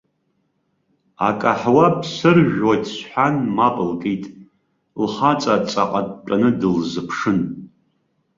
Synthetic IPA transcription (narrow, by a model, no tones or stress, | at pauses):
a̰kʼaħwapʰsɨrʒᶣwadsħʷanmapʼɨlkʼejtʼ | lχat͡sʼat͡sʼaqʼatʼt͡ʃʷʼanɨdɨlzɨpʰʂɨn